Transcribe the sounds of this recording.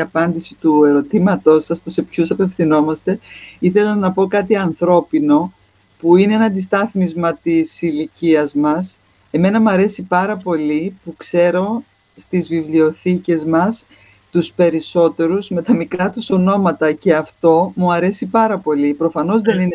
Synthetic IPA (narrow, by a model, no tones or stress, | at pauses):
ɐpɐnd̪isi̥t̪ue̞ɾo̞t̪imɐt̪o̞sɐst̪ose̞pçusɐpe̞fθino̞mɐst̪e̞iθe̞lɐnɐpo̞kɐt̪iɐnθɾo̞pino̞ | puine̞enɐnd̪ist̪ɐθmizmɐt̪isiliciɐzmɐs | e̞me̞nɐmuɐɾe̞sipɐɾɐpo̞lipukse̞ɾo̞ | st̪izvivlio̞θice̞zmɐs | t̪uspe̞ɾiso̞t̪e̞ɾuzme̞t̪ɐmikɾɐt̪uso̞no̞mɐt̪ɐce̞ɐft̪o̞muɐɾe̞sipɐɾɐpo̞lipɾo̞fɐno̞zðe̞nine